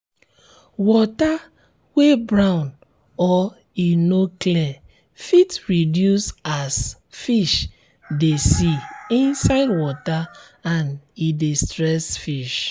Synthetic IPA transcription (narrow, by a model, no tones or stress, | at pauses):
wɔta | webɹãʊ̃n | ɔ | inoklɛ | fitɹidjusas | fiʃ | desiĩnsaɪdwɔta | ãnidestɹɛsfiʃ